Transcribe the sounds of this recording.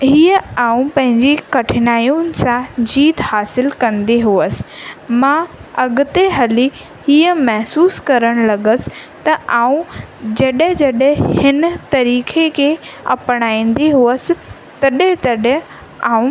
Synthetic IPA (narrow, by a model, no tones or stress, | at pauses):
ɦiːəaːũpɐ̃ɦɪ̃ɲd͡ʑikɐʈʰɪnaːjunɪ̆sãd͡ʑiːt̪haːsɪlkɐ̃nd̪iɦuəsɪ̥̆mãɐɡʊt̪eɦɐli | hiːəmɛɦsuːskɐɾəɽ̃lɐɡəsɪ̥̆t̪ɐʔaːũd͡ʑɐɗɦɪ̃d͡ʑɐɗẽhɪnt̪ɐɾiːkʰekʰeɐ̰pɽ̃aːĩːn̆d̪iɦuəsɪ̆ | t̪ɐɗẽt̪ɐɗẽ | aːũ